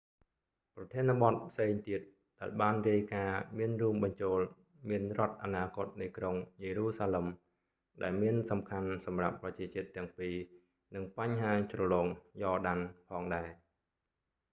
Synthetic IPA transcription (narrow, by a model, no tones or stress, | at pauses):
prɑt̪ʰiənăɓɑt̪̚pʰseːŋt̪iət̪̚ | ɗaɛlɓaːnriəjkaːmiənruəmɓɑɲt͡ɕoːl | miənrŏət̪̚ʔanaːkŏət̪̚nɨjkroŋjeːɾuːsaːlem | ɗaɛlmiənsɑmkʰansɑmrapːrɑt͡ɕiət͡ɕiət̪ːɛ̆əŋpiː | nɨŋpaɲɦaːt͡ɕrɑlɔːŋjɑːɗanpʰɑːŋɗaɛ